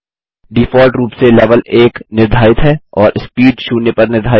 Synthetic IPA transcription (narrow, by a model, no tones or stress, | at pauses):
ɖiːfɔːlʈɾuːpselɛːʋəleːknɪɾd̪ʱaːɪt̪ɦɛɔːɾʔɪspiːɖʃuːnepɐɾnɪɾd̪ʱaː